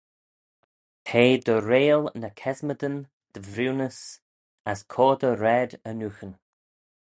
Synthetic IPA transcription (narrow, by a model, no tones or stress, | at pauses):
tʰeːd̪əɾeːlnəkʰɛzməd̪ən | d̪̥əvɾuːnəs | əskʰoːd̪əɾɛd̪ənuxən